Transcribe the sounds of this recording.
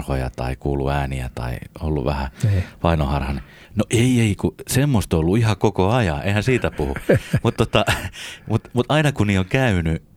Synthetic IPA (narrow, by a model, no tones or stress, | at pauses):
rhojɑ̰t̪ɑ̰ikuːlːṵæːniæ̰t̪ɑ̰ḭolːṵʋʋæhæpɑinohɑrhɑni | noʔeieikusemːost̪olːuihɑkokoɑjɑ̰̃ʔḛihænsiːt̪æpuhumut̪t̪ot̪ɑmut̪mut̪ʔɑinɑkuniːoŋkæyny